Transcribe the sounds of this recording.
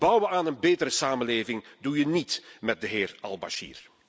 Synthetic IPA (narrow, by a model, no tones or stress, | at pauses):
b̥ʌwʋəaːnənbeːtəɾəsaːmənleːvɪŋdujənitmɛt̚dəɦɪːrɑ̰lˠba̰ʃḭːr